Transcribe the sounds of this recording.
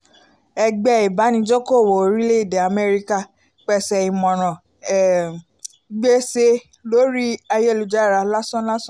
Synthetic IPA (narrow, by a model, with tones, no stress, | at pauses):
ɛ˧ɡ͡bɛ˧i˨ba˨˦nĩ˧˦d͡ʒo˦ko˦˨wo˨˦ɾi˦le˦i˦˨de˨a˨mɛ˧ɾi˦ka˦ | k͡pɛ˧sɛ˨i˨mɔ̃˨ɾ̃ã˨ | ɡ͡be˦se˧ | lo˦ɾi˦a˧jɛ˦lu˨˦d͡ʒa˦˨ɾa˧la˦sɔ̃˦la˦sɔ̃˦